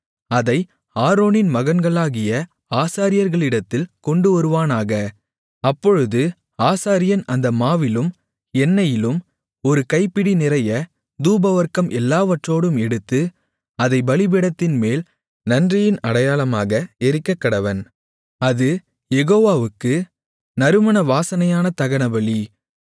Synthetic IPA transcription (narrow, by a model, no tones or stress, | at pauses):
ɐðɐɪ | aːɾoːnɪnmɐɣɐnɡɐɭaːɣɪjɐ | aːsaːɾɪjɐɾɣɐɭɪɽɐt̪ːɪlkɔɳɖɯɔɾɯʋaːnaːɣɐ | ɐpːɔɻɯðɯ | aːsaːɾɪjɐnɐnd̪ɐmaːʋɪlɯm | ɛnːɐjɪlɯm | ɔɾɯkɐɪpːɪɽinɪrɐjɐ | d̪uːbɐʋɐɾkɐmʔɛlːaːʋɐʈroːɽɯmɛɽɯt̪ːɯ | ɐðɐɪbɐɭɪbɪɽɐt̪ːɪnmeːl | nɐndrɪjɪnɐɽɐjaːlɐmaːɣɐɛɾɪkːɐkːɐɽɐʋɐn | ɐðɯ | jɛɣoːʋaːʋɯkːɯ | nɐɾɯmɐnɐʋaːsɐnɐjaːnɐt̪ɐɣɐnɐbɐɭi